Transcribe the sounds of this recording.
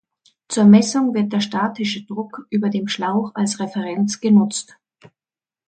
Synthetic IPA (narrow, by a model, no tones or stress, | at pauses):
t͡suːɐmɛsʊŋvɪɐt̚d̥eːɐʃtaːtɪʃədʁʊkʔyːbɐdeːmʃlaʊxalsʁɛfɛʁɛnt͡sɡ̥ənʊt͡st